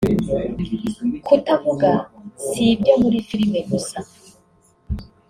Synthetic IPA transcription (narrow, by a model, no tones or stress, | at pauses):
kʰutavuɡasibɟamuɾifiɾimeɡusa